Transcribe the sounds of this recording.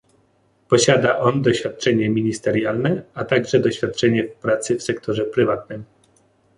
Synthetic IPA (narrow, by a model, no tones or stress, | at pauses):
pɔɕad̪aʔɔnd̪ɔɕfʲjat̪̚t͡ʂɛɲɛmʲiɲist̪ɛɾjalnɛat̪aɡʐɛd̪ɔɕfʲjat̪̚t͡ʂɛɲɛfpɾat̪sɘfsɛkt̪ʰɔʐɛpɾɘvat̪nɘm